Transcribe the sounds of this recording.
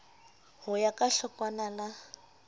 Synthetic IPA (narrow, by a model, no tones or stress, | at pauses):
hʊjakʼaɬɔkʼwanana